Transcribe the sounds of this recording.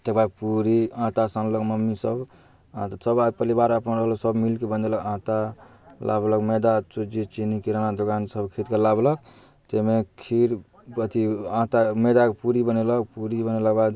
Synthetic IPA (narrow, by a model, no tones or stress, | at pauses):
t̪ebapuɾiãt̪asanləkməmːisəb | ãt̪səbad̪pəlibaɾəpənɾəɦələksəbmilkebənd̪eləkãt̪a | lʔa̰bləkmed̪at͡ʃud͡ʒit͡ʃinikiɾanad̪okansəbkʰiɾit̪kelablək̚ | t̪emekʰiɾ | pət̪iãt̪amed̪akpuɾibənelək̚puɾibənelakbad̪